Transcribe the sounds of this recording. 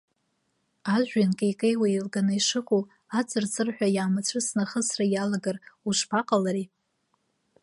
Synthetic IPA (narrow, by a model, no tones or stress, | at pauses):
aʒʷᶣankʼejkʼejwailɡanaiʂɨqʼul | at͡sʷʼɨrt͡sʼɨrħʷᶣajaːmat͡ɕʷʰɨsnaχəsrajalaɡaruʂpʰaqʼalaɾi